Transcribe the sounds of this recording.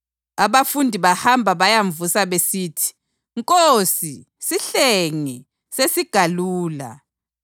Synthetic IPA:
aβafundʱiβahambʱaβajaɱvusaβesiːtʰi̥ | ŋkʼosi | siɬeŋi | sesiɡ̥ʱaluːla̰

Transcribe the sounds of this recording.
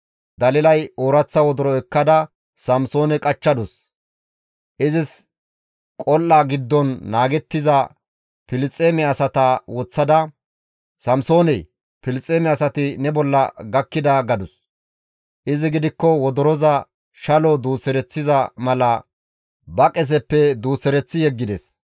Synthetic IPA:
d̪ɐlɪlɐjoːɾɐt͡sːɐwɔd̪ɔɾɔɛkːɐd̪ɐ | sɐmsoːnɛkʼɐt͡ʃːɐd̪ʊs | ʔɪzɪs | kʼɔlːaɡɪd̪ːɔnːaːɡɛt̪ːɪzɐ | pɪlɪt͡sʼːeːmɛɐsɐt̪ɐwɔt͡sːɐd̪ɐ | sɐmso̞ːnɛ | pɪlɪt͡sʼːeːmɛɐsɐt̪ɪnɛbɔlːɐ̰ɡɐkːɪd̪aɡɐd̪ʊs | ʔɪzɪɡɪd̪ɪkːɔwɔd̪ɔɾɔzɐ | ʃɐlɔd̪uːsɛɾɛt͡sːɪzɐmɐlɐ | bɐkʼɛs̬ɛpːɛd̪uːsɛɾɛt͡sːɪjɛɡːɪd̪ɛs

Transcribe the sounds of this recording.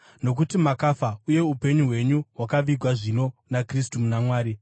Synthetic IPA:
no̞k̬utimakafauje̞upe̞ɲuɦwe̞ɲuɦwakaʋiɡʱwaʐino̞nakristumunamwaːɾi

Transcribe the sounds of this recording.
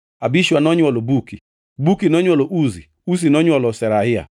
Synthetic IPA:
abiʃuanɔɲɔlobuki | bukinɔɲɔloʔuzi | us̬inɔɲɔlɔsɛɾaɦɪja̰

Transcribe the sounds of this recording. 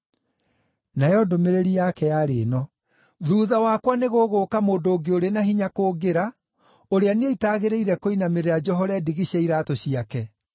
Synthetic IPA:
najɔdomeɾeɾiakɛjaɾeːnɔ | ðuːðawakwaneɣoɣoːkamoːndoːɡeoɾenaɦiɲakoːɡeɾa | oɾeaneitaːɣeɾeiɾɛkoinameɾead͡ʒɔɦɔɾɛdiɣiɕeiɾatoɕiakɛ

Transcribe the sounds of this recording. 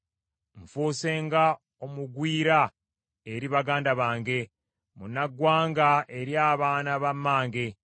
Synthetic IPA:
ɱfuːse̞ːŋɡa | o̞muɡwiːɾa | eɾiβaɡaːndaβaːŋɡe̞ | munaɡwaːŋɡaʔe̞ɾjaːβaːnaβamːaːŋɡe̞

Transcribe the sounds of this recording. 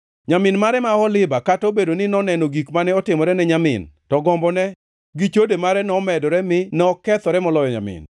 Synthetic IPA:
ɲamɪnmaɾɛmaɔlɪbakatobedonɪnɔnɛnoɡikmanɛɔtɪmɔɾɛnɛɲamɪ̰ntɔɡɔmbɔnɛ | ɡit͡ʃodemaɾɛnɔmɛdɔɾɛmɪnɛɔkɛt̪ɔɾɛmɔlɔjɔɲa̰mɪ̰n

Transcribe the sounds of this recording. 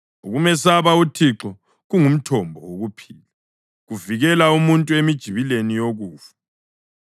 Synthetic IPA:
uɣumɛsaβautʰiǁɔ | ɣuŋum̩tʰɔmbʱɔ̰woɣupʰiːlɛ | ɣuviɣɛlaumuntʼuemid̥ʒ̥ʱiβilenijoɣuːfḁ

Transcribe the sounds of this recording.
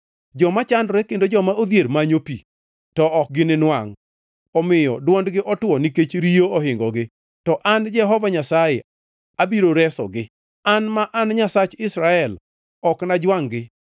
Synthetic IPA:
d͡ʒɔmat͡ʃandɾɛkendod͡ʒɔmaod̪jeɾmaɲopi | tɔʔɔk̚ɡɪnɪnwaŋ | ɔmɪjɔ̰dwɔndɡɪʔɔtwɔniket͡ʃɾioɔɦɪŋɡɔɡɪ | tɔʔand͡ʒɛɦɔvaɲasaje | abiɾoɾɛsɔ̰ɡɪ | anmaʔanɲasat͡ʃɪsɾaɛl | ɔknad͡ʒwaŋɡɪ

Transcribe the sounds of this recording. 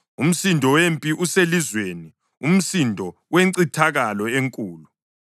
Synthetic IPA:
um̩sindʱɔwempʼiʔuselizweni | um̩sindʱɔ | weǀitʰaɣalɔeŋkʼuːlu

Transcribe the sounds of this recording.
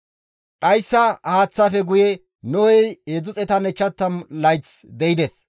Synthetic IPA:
ᶑɐjsːɐhaːt͡sːɐfɛɡʊjɛ | nɔwɛjeːd͡zʊt͡sʼɛt̪ɐnɛt͡ʃːɐt̪ːɐmlɐjt͡sd̪ɛjɪd̪ɛs

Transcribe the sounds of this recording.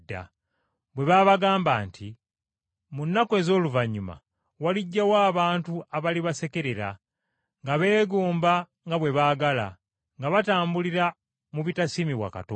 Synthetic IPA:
dːa̰ | βwe̞βaːβaɡaːmbaːntʰi | munːakoe̞ːzo̞ːluvaɲːuma̰ | waliɟːawaːβaːntuaβaliβase̞ke̞ɾeɾa̰ | ŋɡaβe̞ːɡuːmba | ŋɡaβwe̞βaɡala̰ | ŋɡaβataːmbuliɾa | muβitasimiβwa̰ka̰to

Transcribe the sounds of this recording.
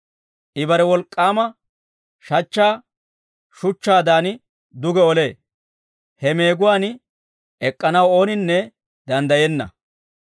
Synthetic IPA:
ʔɪbɐɾɛwɔlkʼːaːmɐ | ʃɐt͡ʃːaː | ʃʊt͡ʃːaːd̪aːn | d̪ʊɡɛɔle̞ː | hɛme̞ːɡʊwaːn | ʔɛkʼːɐnɐwo̞ːnɪnːɛ | d̪ɐnd̪ɐjɛnːɐ̰

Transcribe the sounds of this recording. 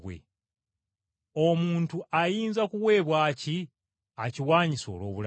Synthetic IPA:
wḛ | omuːntuʔajiːnzakuwe̞ːβwaːci | aciwaːɲiso̞̰ːlwo̞̰ːβul

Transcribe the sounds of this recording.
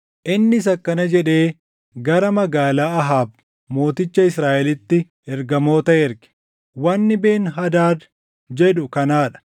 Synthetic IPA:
ʔɪnːɪs̬ɐkːɐnɐd͡ʒɛᶑe̞ː | ɡɐɾɐmɐɡaːlaːɐɦaːb̚ | mo̞ːt̪ɪt͡ʃːɐɪsɾaːʔɛlɪt̪ːɪ | ɛɾɡɐmo̞ːt̪ɐɛɾɡɪ̥ | wɐnːɪbe̞ːnɦɐd̪aːd̪ | d͡ʒɛᶑʊkɐnaːᶑɐ̥

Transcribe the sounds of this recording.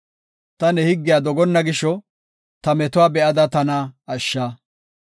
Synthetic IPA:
t̪ɐnɛhɪɡːɪjaːd̪ɔɡɔnːɐɡɪʃːɔ | t̪ɐmɛt̪ʊwaːbɛʔɐd̪ɐt̪ɐnaɐʃːaː

